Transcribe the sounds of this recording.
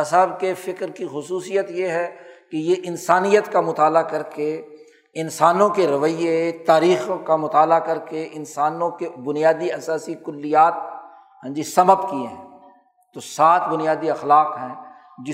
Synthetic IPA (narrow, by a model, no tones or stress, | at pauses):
ɐsaːbkefɪkɾkixʊsuːsijət̪jeɦɛkejeʔɪnsaːnijət̪kamʊt̪aːlakɐɾke | ɪnsaːnõkeɾɐʋəiet̪aːɾiːxkamʊt̪aːlakɐɾkeʔɪnsaːnõkebʊnijaːd̪iɐsaːsikʊlːijaːt̪̚ | ɦɛ̃nd͡ʒisɐməbkiẽɦɛ̰̃ː | t̪osaːt̪ʰbʊnijaːd̪iɐxlaːqɦɛ̃ː | d͡ʒɪ